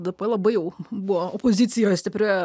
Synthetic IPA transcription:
d̪ɐbɐlˠɐbɐɪjɛʊbuʋoopozʲɪt̪sʲɪjoːjsʲt̪ʲɪpʲɾʲoːjɛ

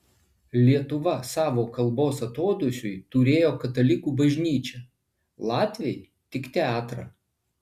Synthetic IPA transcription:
lʲiɛt̪ʊʋɐsɑːʋoːkɐlˠboːsɐt̪oːd̪ʊsʲʊjt̪ʊɾʲeːjoːkɐt̪ɐlʲɪkuːbɐʒʲnʲiːt͡ʃʲɛ | lˠɑːt̪ʲʋʲɪj | t̪ʲɪkt̪ʲɛɑːt̪ɾɑ̰

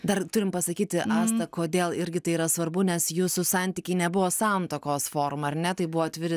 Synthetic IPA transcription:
d̪ɐrt̪ʊɾʲɪmpɐsɐkʲiːt̪ʲɪʔɑːst̪ɐkoːd̪ʲeːlˠɪɾʲɡʲɪt̪ɐɪiːɾɐsʋɐrbʊnʲɛsjuːsʊsɑnʲt̪ʲiːkʲɛɪnʲɛbʊʋoːsɑnt̪oːkoːsfoːɾmɐɐrnʲɛt̪ɐɪbʊʋɔːt̪ʲʋʲɪɾʲɪ

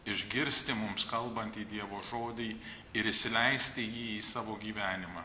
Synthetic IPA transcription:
ɪʒʲɡʲɪɾʲsʲt̪ʲɪmʊmskɐlˠbɐnʲt̪iːd̪ʲiɛʋoːʒoːd̪ʲɪɪ | ɪɾɪʃsʲɪlʲɛɪsʲt̪ʲɪjiːiːsɑːʋoːɡʲiːʋʲæːnʲɪmɑ

